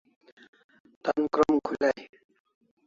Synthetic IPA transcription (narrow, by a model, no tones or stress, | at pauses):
t̪ankɾomkʰulaj